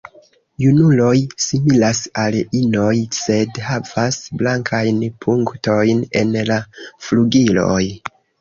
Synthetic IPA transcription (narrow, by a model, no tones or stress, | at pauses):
junulo̞jsimilasalino̞jse̞dhav̥asblaŋkʰajnpʰuŋkto̞jne̞̰nlafluɡilo̞̰j